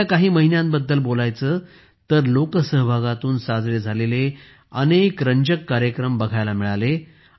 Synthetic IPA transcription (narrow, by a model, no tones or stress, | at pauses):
akaɦiːməɦinjãnbəd̪ːəlbolajt͡səː | t̪əɾlokəsəɦbʱaɡat̪uːnsad͡zɾed͡zʱalele | ənekɾəɲd͡ʑəkːaɾjəkɾəmbəɡʱajlamiɭale